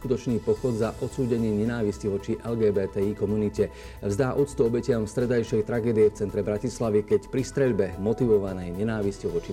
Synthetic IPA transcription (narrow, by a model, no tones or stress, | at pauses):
kut̪ɔt͡ʃniːpɔxɔd̪zaʔɔt̪suːɟɛɲɪɛɲɛnaːʋisciʋɔt͡ʃiʔɛlɡɛːbɛːt̪ɛiːkɔmunicɛ | vzd̪aːʔut̪t͡st̪uɔbɛcɪamfst̪ɾɛd̪ajʃɛjt̪ɾaɡɛːd̪ijɛft͡sɛnt̪ɾɛbɾacislaʋikɛcpɾist̪ɾɛʎbɛmɔt̪iʋɔʋanɛjɲɛnaːʋiscɔʋɔt͡ʃi